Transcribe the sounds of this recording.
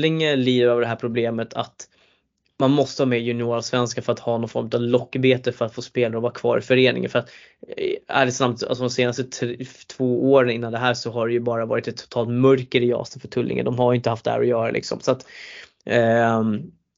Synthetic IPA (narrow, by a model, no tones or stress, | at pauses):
ɪŋəliːd̪əɾøːvəɖɛɦæːɾpʰɾʊbleːmət̪ʰa̰t̪ | manmɔst̪əhɑːmɛjɵnɪoːɾasvɛnskafœɾat̪hɑːnɔnfɔɾmɵt̪avlɔkːbeːt̪əfœɾat̪foːspeːlaɾəɔvɑːɾakʰvɑ̰ːɾɪfœɾeːnɪ̰ŋənfœɾat̪ | æ̰ɖɛsnamt̪a̰sɔd̪ɔmseːnast̪ət̪ʰt̪ʰvoːʔoːɾənɪnːand̪ɛɦæːʂɔɦaɖɛjɵbɑːɾavɑ̰ːɾɪt̪ɛt̪ʰːʊ̥t̪ʰɑːlt̪mœɾkəɾɪjɑ̰ːst̪ənfœʈʰɵlːʔɪ̰ŋə̰d̪ɔmhaɾjʏɪnt̪əhaft̪d̪ɛhæ̰ɾɔjœːɾa̰lɪ̰ksɔ̰msat̪